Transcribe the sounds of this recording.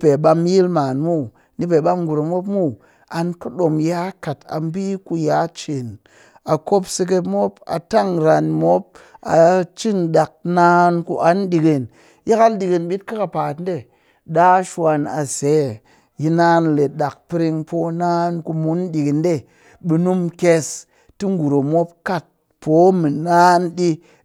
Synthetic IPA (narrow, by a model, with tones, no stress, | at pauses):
pe˨ɓa˧m˦i˦lma˨nmu˦ | ni˦pe˨ɓa˧m˦ɡu˨ɾo˨mo˦pmu˦ | a˧nku˦ɗo˨mjaː˦ka˨ta̰˨m˦bi˦ku˧ja˨˦t͡ʃe˨n | a˨ko˦pse˧k̬e˧pmo˦pa̰˨ta˦˨ŋɾa˧nmo˦p̚a̰˨t͡ʃi˦nɗa˨k̚na˧˦nku˧ʔa˦n˦ɗi˨ɡe˨n | ja˦ka˦n˦di˨ɡe˧nɓi˦t̚ka˦ka˨pa˨tn˦de˦˨ | ɗa˦ʃwa˧na˨se˨˦˨ | ji˧na˦nle˨ɗa˨k̚pi˦ɾi˧ŋpʰo˨˦na˦nku˧mu˨˦n˦ɗi˨ɡi˨nde˦˨ | ɓi˧nu˦mke˧s | ti˦ŋ˦ɡu˨ɾo˨mo˦p̚ka˦t̚ | pʰo˨˦mi˨na˦nɗi˧